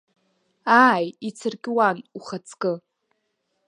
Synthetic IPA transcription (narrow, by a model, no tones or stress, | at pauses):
ajit͡sʰɨrkʲʼɪwanuχat͡sʰkʼɨ